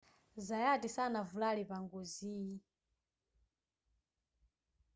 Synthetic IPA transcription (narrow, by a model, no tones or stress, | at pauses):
zajatisanavulalipaŋɡɔziːi